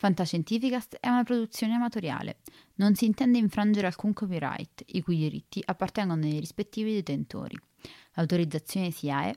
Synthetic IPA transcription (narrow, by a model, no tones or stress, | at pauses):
fant̪aʃent̪iːfikast̪ɛunapɾod̪ut̪sːjoːneamat̪oɾja̰ːlḛ | nonsiːnt̪ɛnd̪eiɱfɾand͡ʒeɾealkuŋkɔpiɾa̰jt̪ikujd̪iɾḭt̪ːiʔapːart̪ɛŋɡonod̪ejɾispet̪ːiːvid̪et̪ent̪o̰ːɾḭ | awt̪oɾid̪zːat̪sːjoːnesiaḛ